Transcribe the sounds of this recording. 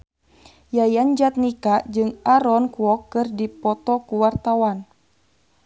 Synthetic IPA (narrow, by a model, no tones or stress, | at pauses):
jajand͡ʒat̪̚nikad͡ʒɨŋaɾɔnkuwɔkːɨrdipɔt̪ɔkuwart̪awan